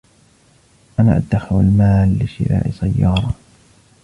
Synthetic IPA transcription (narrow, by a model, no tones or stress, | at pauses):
ʔana̰ːʔad̪ːaxɪlalmaːlːɪʃɪ̰ɾa̰ːʔɪsajːɑːɾˤɑ